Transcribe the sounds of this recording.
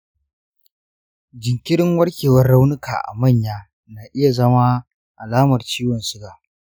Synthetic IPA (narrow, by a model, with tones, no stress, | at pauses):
d͡ʒɪ˨ŋkʲɪ˦ɽɪ˦ŋwɐ˦rkʲeː˨wɐ˦rɽa˦wnʊ˦kʰa̰ː˨ʔa̰˨mɐ˦˨ɲjaː˦ | naː˨ʔɪ˦ja˨zɐ˦ma˦ | ʔa˨laː˦mɐ˨rt͡ʃiː˦wɐ˨nsʊ˦ɡaː˨